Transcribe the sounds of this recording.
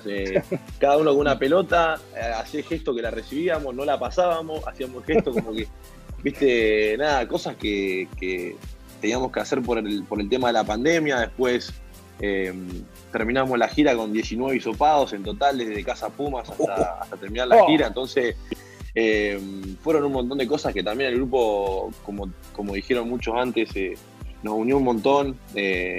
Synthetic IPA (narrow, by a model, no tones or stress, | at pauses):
ekaðauno̞konunape̞lo̞t̪aasiexe̞ht̪okelaresiβiamo̞sno̞lapasaβamo̞sa̰siamosxet̪okomoke | biht̪enaːðako̞saskeke | t̪e̞niamo̞skeaseɾpoɾpo̞ɾelt̪e̞maðelapand̪e̞mjaðe̞hpwe̞s | em | t̪eɾmĩnamo̞slaxiɾako̞nd̪je̞sinwe̞βiso̞paðo̞se̞nt̪o̞t̪ald̪eðeðekasapumasaaa̰t̪at̪eɾmĩnaɾlaxiɾaent̪o̞nses | emfweɾo̞nunmont̪ond̪eko̞saske̞t̪ambje̞nelɣɾupo̞ko̞mo | ko̞mo̞ðixje̞ɾo̞nmut͡ʃo̞sant̪ese | no̞sunjounmõ̞nt̪o̞ne